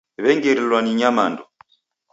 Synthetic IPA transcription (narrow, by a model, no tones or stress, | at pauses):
βɛŋɡɛɾilwaniɲamandɔ